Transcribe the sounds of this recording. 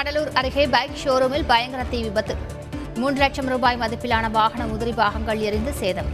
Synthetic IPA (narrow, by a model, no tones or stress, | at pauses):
kɐɽɐluːɾɐɾɯɣeːbɐːkʃoːɾɯmɪlbɐjɐŋɡɐɾɐt̪ːɪʋɪbɐt̪ːɯ | muːɳɖrɯlɐk̚t͡ʃɐmɾuːbaːjmɐðɐɪpːɪlaːnɐʋaːɣɐɳɐmʊðɪɾibaːɣɐŋɡɐɭɛɾɪnd̪ɯseːðɐm